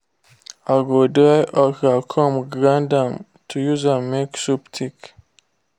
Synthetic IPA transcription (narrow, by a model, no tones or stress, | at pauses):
aɡodajʔɔkakʰɔ̃mɡɾãndãm | tʰujuzãnmeksuptʰik